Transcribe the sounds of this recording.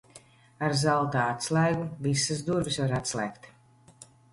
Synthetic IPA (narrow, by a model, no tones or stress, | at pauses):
aɾzalˠt̪aːat̪slˠæjɡuvisɨzd̪uɾbisvaɾat̪slˠɛjkt̪